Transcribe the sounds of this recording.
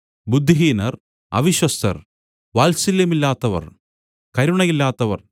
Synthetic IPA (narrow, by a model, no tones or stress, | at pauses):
bud̪ʱːiɦiːnɐr | ɐ̰ʋiɕwɐst̪ɐ̰r | ʋaːlsilːemilːaːt̪ːɐʋɐ̰r | kɐɾuɳɐjilːaːt̪ːɐʋɐ̰r